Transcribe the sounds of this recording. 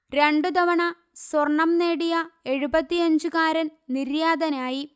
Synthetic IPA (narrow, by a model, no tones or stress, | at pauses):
ɾe̞ɳɖɨd̪ɐʋɐɳɐ | swɐrɳɐmneːɽijɐe̞ɻubɐt̪ːijɐɲd͡ʑukaːɾɐnniɾjaːd̪ɐnaːji